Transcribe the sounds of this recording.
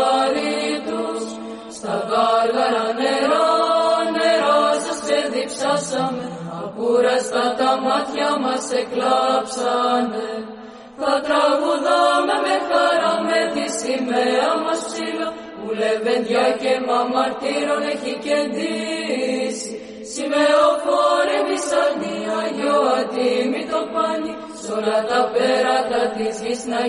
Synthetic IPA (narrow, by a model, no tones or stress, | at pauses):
ɾit̪us | st̪ɐɣɐɣɐɾɐneɾoneɾosɐseðipsɐsɐmeɐpuɾɐst̪ɐt̪ɐmɐt̪çɐmɐseklɐpsɐne | θɐt̪ɾɐɣuðɐmɐmexɐɾɐmed̪isimeɐmɐspsilo | ulevend̪ʝɐcemɐmɐɾt̪iɾoneçicend̪i | si | simeofoɾivisɐniɐʝoɐd̪imit̪opɐni | solɐnt̪ɐpeɾɐt̪ɐt̪izʝisnɐ